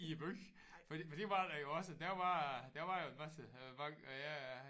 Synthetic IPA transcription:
ib̥øɡ | fɒd̥ifɒd̥iʋɑ̈d̥æjo̝ɒ̽səd̥æɐʋɑ̈d̥æɐʋɑ̈joʋæsəʋɑjæ

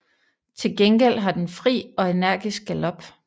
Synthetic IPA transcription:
t͡sʰe̝lɡ̥enɡ̥el̰ɦɑ̈d̥enfʁḭːɒ̽e̝næɐ̰ɡ̥isɡ̥ælɒ̽b̥

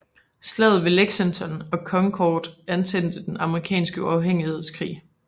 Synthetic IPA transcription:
slɛð̩ˠʋeleɡ̥sensʰɒnɒ̽kʰɒ̽ŋkʰɒːd̥ænsʰen̰d̥əd̥enɑ̈məʁikʰɛ̰ːnsɡ̥əuɑ̈ʊɦeŋ̰ihe̝ð̞̰ˠskʰʁḭː

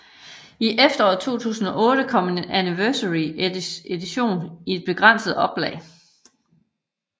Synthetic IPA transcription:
iʔefd̥ɐɒ̰ːð̩ˠt͡sʰo̝̰ːt͡sʰṵːsn̩ɒ̽ʔɔ̽ːɾ̥əkʰɒ̽m̰ene̝næniʋɜɐsəʁie̝d̥iɕo̝̰ːnie̝d̥̚b̥e̝ɡ̥ʁɑn̰səð̞̩ˠɒ̽b̥lɛ̰ɪ

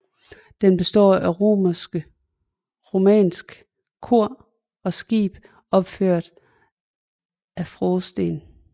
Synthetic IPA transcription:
d̥enb̥e̝sd̥ɒ̰ːæʁo̝̰mɐsɡ̥ə | ʁo̝mɛ̰ːnsɡ̥ | kʰo̝ɐ̰ | ɒ̽sɡ̥ḭːb̥ | ɒ̽b̥føɐ̰d̥ | æfʁɔːsd̥e̝ːn

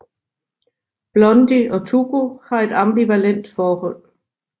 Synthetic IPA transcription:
b̥lɔ̽nd̥iɒ̽t͡sʰuɡ̥uhɑ̈e̝d̥ɑmb̥iʋælen̰d̥fɒːhɔ̽l̰

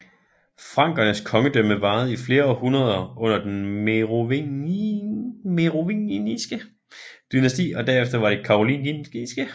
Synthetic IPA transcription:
fʁɑ̈ŋ̰ɡ̥ɐnəskʰɒ̽ŋəd̥øməʋɑ̈ːð̞̩ˠifle̝ːɐɒhunɐð̞ˠɐʔɔ̽n̰ɐd̥enmeʁo | meʁoʋinisɡ̥ə | d̥ynæsd̥ḭːɒ̽d̥æɐefd̥ɐʋɑ̈ɾ̥e̝kʰɑ̈ʁolḭninɡ̥isɡ̥ə

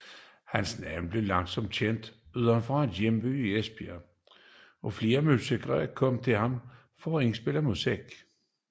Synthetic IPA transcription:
hænsnænb̥le̝lɑ̈ŋsɒ̽m̰d̥ɕen̰d̥yðˠɐnfʁɑ̈æd̥jemb̥yiesb̥iɐ | ʔɒ̽fle̝ːɐmyseɡ̥ʁɛ̰ɐkʰɒ̽mt͡sʰe̝lhɑ̈m | fɒe̝ŋsb̥e̝lɐmuseɡ̥

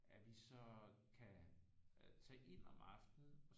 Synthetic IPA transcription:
æʋisɒ̽kʰæ | t͡sʰɛːʔe̝n̰ɒmɑ̈fd̥ð̩ˠɒ̽

